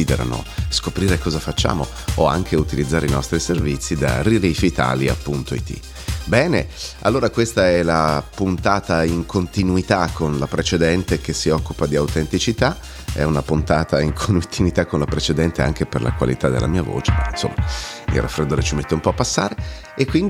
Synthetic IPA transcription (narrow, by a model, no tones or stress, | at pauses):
id̪eɾa̰no̰skopɾiːɾekɔːzafat͡ʃːa̰ːmo | oa̰ŋkʰeut̪ilid̪zːaːɾʔḛinɔ̰st̪ɾiservit̪sːid̪a̰riɾifiːt̪a̰lja̰pːunt̪oit̪ḭ | bɛːneʔa̰lːoːɾakwest̪aɛlapunt̪aːt̪aiŋkʰont̪inuit̪akʰːonlapɾet͡ʃed̪ɛnt̪ek̟esiɔkːupad̪iawt̪ent̪it͡ʃit̪a | ɛ̰unapunt̪aːt̪aiŋkʰont̪ʰːinuit̪akːonlapɾet͡ʃed̪ɛnt̪ea̰ŋk̟eperla̰kwa̰lḭt̪ad̪ːḛla̰miːavo̰ːt͡ʃeainso̰mːamḭɾʔafɾed̪oːɾet͡ʃimet̪ːeumpɔapːasːa̰ːɾe | ekːwind̪